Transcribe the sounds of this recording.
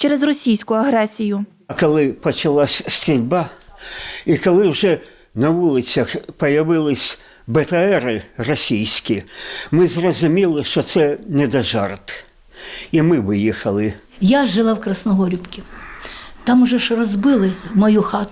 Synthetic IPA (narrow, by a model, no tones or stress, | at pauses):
t͡ʃɛɾɛzrɔsʲijsʲkʊɐɦɾɛsʲijʊ | kɔlˠɪpɔt͡ʃɐlˠasʲst̪ɾʲʊdʲba | ikɔlˠɪwʐɛ | nɐʋulˠɪt͡sʲɐxpɔjɐʋɪlˠɪsʲ | bɛt̪ɐɛɾɪrɔsʲijsʲkʲimɪzrɔzʊmʲilˠɪʃt͡ʃɔt̪sɛnɛd̪ɐʒɑrt̪ | imɪʋɪjixɐlˠɪ | jaʒɪlˠɑwkɾɐsnɔɦɔɾʲʊpkʲɪ | t̪ɑmʊʒɛʃrɔzbɪlˠɪmɔjuxɑt̪ʊ